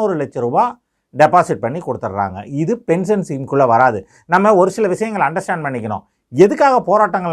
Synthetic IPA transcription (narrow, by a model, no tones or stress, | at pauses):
oːɾɯlɛt͡ʃːɐɾɯbaː | ɖɛpaːsɪʈ̚pɐɳːikɔɽɯt̪ːɐɾɾa̰ːŋɡɐ̰ɪðɯpɛns̬ɐnsiːmkʊɭːɐʋɐɾaːðɯ | nɐmːɐɔɾɯsɪlɐʋɪʂɐjɐŋɡɐɭɐɳɖɐɾsʈaːɳɖ̚pɐɳːɪkʲːɐnõ̰ː | ɛðɯkːaːɣɐpoːɾaːʈːɐŋɡɐɭ